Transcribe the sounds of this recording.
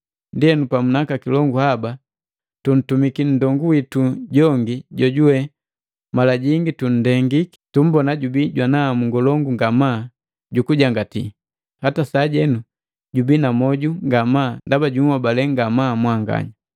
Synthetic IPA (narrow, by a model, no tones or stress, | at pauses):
ndiɛnupamunakakilɔŋɡuhaba | tun̩tumikin̩dɔŋɡuwituɟɔŋɡiɟɔɟuwɛ | malaɟiŋɡitun̩dɛŋɡiki̥tum̩bɔnaɟubiɟwanaːmuŋɡɔlɔŋɡuŋɡamaː | ɟukuɟaŋɡatḭ | hatasaːɟɛnu | ɟubinamɔɟuŋɡamaːndabaɟunwabalɛŋɡamaːmwaŋɡa̰ɲa